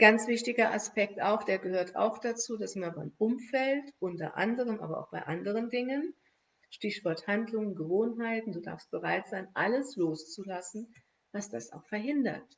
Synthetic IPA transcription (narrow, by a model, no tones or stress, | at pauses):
ɡ̥ant͡sv̥ɪçtɪɡɐʔa̰spɛk̚taʊxd̥eːɐɡəhøːɐtʰa̰ʊxd̥at͡suːdasɪmɐbaɪmʔʊmfɛltʔʊntɐ̰ʔa̰ndəʁəmʔa̰ːbɐʔa̰ʊxb̥aɪʔandəʁ̞əndɪŋən | ʃtɪçv̥ɔɐthandlʊŋənɡəvoːnɦaɪtn̩duːda̰ːɐfst̚b̥əʁaɪtz̥aɪnʔaləsloːst͡sulasn̩ | vasd̥a̰sa̰ʊxfɛɐɦɪndɐ̰t